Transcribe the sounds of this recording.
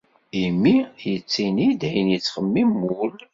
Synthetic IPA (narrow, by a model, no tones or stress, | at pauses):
imːijət͡sːinid̪æjənjət͡sːχəmːimːul